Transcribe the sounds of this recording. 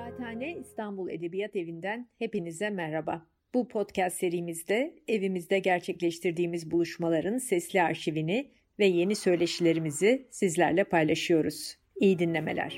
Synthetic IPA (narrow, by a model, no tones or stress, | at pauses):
aːt̪ʰaːnɛist̪anbulˠe̞̰d̪e̞bijat̪e̞vind̪ænhe̞pinizd̪ɛmæɾhaba | b̥upʰo̞t̪cʰɛst̪se̞ɾijːmizd̪ɛevimizd̪ɛɟæɾt͡ʃʰɛclʲɛʃt̪ʰiɾd̪iːmizbulˠuʃmalˠaɾɯnsɛslʲiaɾʃivinɪ | vɛje̞nisø̞jlʲe̞ʃilʲe̞ɾimizisizlʲæɾlʲɛpʰajlˠaʃɯjo̞ɾuz̥ | ijid̪inlʲe̞me̞̰lʲæ̰ɾ̝̥